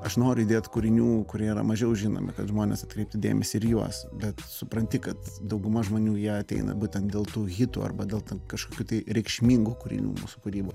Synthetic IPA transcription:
ɐʃnoːɾʲʊd̪ʲeːt̪kʊɾʲɪnʲuːkʊɾʲiɛiːɾɐ̰mɐʒʲɛʊʒʲɪno̰ːmʲɪ̰kɐt̪ʒmoːnʲḛsɐt̪kɾʲɛɪp̚ʲt̪ʲɪd̪ʲeːmʲɛsʲɪɪɾjuɔsbʲɛt̪sʊpɾɐnʲt̪ʲɪkɐt̪d̪ɐʊɡʊmɐʒmoːnʲuːjiɛɐt̪ʲɛ̰ɪnɐ̰buːt̪ʲɛnt̪d̪ʲeːlˠt̪uːɣʲɪt̪ṵɐ̰rbɐd̪ʲeːlˠt̪ʲɛnkɐʃkoːkʲuːt̪ɐɪɾʲɛɪkʃʲmʲiŋɡuːkʊɾʲɪ̰nʲṵːmṵːsʊ̥kʊɾʲiːboː

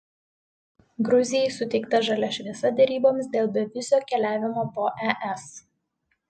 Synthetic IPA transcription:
ɡɾʊzʲɪjɛɪsʊt̪ʲɛɪkt̪ɐʒɐlʲɛʃʲʋʲiɛsɐd̪ʲɛɾʲiːboːmʲsd̪ʲeːlˠbʲɛʋʲɪzʲoːkʲɛlʲæːʋʲɪmoːpoːʔɛʔɛs

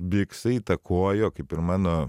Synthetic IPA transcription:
bʲɪksɐiːt̪ɐkʰoːjoːkɐɪpɪɾmɑːnoː

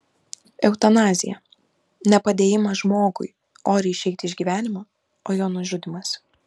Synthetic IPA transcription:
ɛʊt̪ɐnɑːzʲɪ̰jɛ̰ | nʲɛpɐd̪ʲeːjɪmɐʒmoːɡʊ̰jɪ | oːɾʲɛɪʃʲɛɪt̪ʲɪʒʲɡʲiːʋʲæːnʲɪmɑ | oːjoːnʊʒʲʊd̪ʲɪmɐs

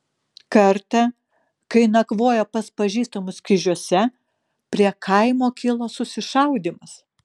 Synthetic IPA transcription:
kɐɾt̪ɐ | kɐɪnɐkʋoːjoːpɐspɐʒʲiːst̪omʊskʲɪʒʲuɔsʲɛ | pʲɾʲiɛkʰɐɪmoːkʲɪlˠoːsʊsʲɪʃɐʊd̪ʲiːmɐs

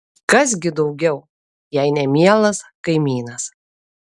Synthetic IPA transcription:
kɐs̬ɡʲɪd̪ɒʊɡʲɛʊ | jɛɪnʲɛmʲiɛlˠɐskɐɪmʲiːnɐs

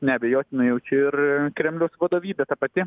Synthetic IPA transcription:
nʲɛbʲɛjoːt̪ʲɪnɐjɛʊt͡ʃʲɛɪrkɾʲɛmʲlʲʊsʋɐd̪oːʋʲiːd̪ʲɛt̪ɐpɐt̪ʲɪ

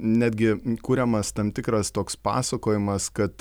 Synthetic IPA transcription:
nʲæːd̪ʲɡʲɪkuːɾʲɛmɐst̪ɐmt̪ʲɪkɾɐst̪oːkspɑ̰ːsɐkoːjɪmɐskɐt̪

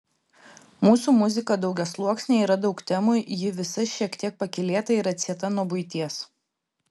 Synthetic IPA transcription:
muːsuːmʊzʲɪkɐd̪ɒʊɡʲɛslˠuɔksʲnʲeːiːɾɐd̪ɒʊkt̪ʲɛmujɪʋʲɪsɐʃʲiɛkt̪ʲiɛk̚pɐkʲɪlʲeːt̪ɐiɾɐt̪ʲsʲiɛt̪ɐnuɔbʊɪt̪ʲiɛs

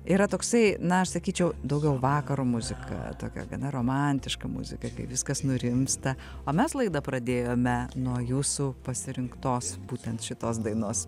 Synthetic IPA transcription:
iːɾɐt̪oːksɐɪnɐɐʃsɐkʲiːt͡ʃʲɛʊd̪ɐʊɡʲɛʊʋɑːkɐɾuːmʊzʲɪkʰɐ̰t̪oːkʲɛ̰ɡɐ̰nɐɾoːmɑnʲt̪ʲɪʃkɐmʊ̰zʲɪkɐkɐɪʋʲɪskɐsnʊɾʲɪmst̪ɐ | oːmʲɛslˠɐɪd̪ɐpɾɐd̪ʲeːjoːmʲɛnuɔjuːsupɐsʲɪɾʲɪŋkt̪oːsbuːt̪ʲɛnt̪ʃʲɪt̪oːs̬d̪ɐɪnoːs

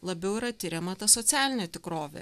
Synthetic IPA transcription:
lˠɐbʲɛʊiɾɐt̪ʲɪɾʲɛmɐt̪ɐsɔt̪sʲæːlʲɪnʲet̪ʲɪkɾoːʋʲḛː

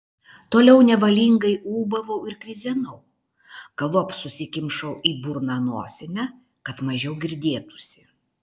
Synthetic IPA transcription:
t̪oːlʲɛʊnʲɛʋɐlʲiːŋɡɐɪuːbɐʋɐʊɪɾkɾʲɪzʲɛnɐʊ | ɡ̥ɐlˠoɐpsʊsʲɪkʲɪmʃɐʊʔiːbʊɾnɑnoːsʲɪnʲɛ | kɐt̪mɐʒʲɛʊɡʲɪɾʲd̪ʲeːt̪ʊ̥sʲɪ

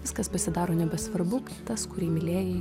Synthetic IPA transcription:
ʋʲɪskɐspɐsʲɪd̪ɑːɾoːnʲɛbʲɛsʋɐɾbʊkʲːt̪ɐskʊɾʲiːmʲɪlʲeːjɛ

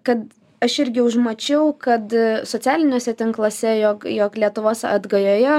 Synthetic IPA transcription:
kɐt̪ | ɐʃɪɾʲɡʲɪʊʒmɐt͡ʃʲɛʊkɐt̪soːt͡s̪ʲæːlʲɪnʲoːsʲɛt̪ʲɪŋklˠoːsʲɛjoːkjoːklʲiɛt̪ʊʋoːsɐ̰d̪ɡɐjoːjɛ

